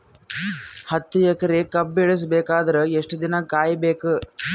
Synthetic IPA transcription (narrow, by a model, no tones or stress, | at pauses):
hɐt̪ːujɛkɐɾekɐbːeɭis̬beːkaːd̪ɐɾeeʂʈɐd̪inɐkaːjbeːku